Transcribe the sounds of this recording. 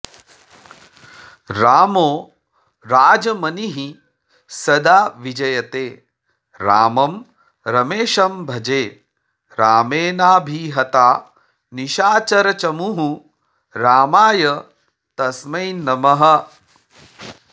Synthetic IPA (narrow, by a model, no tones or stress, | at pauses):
ɾaːmoː | ɾaːd͡ʒɐmɐniɦi | sɐd̪aːʋid͡ʒɐjɐt̪eː | ɾaːmɐm | ɾɐmeːʃɐmbʱɐd͡ʒeː | ɾaːmeːnaːbʱiːɦɐt̪aː | niʃaːt͡ʃɐɾɐt͡ʃɐmuɦũ | ɾaːmaːjɐ | t̪ɐsmɐjnɐmɐɦɐ̆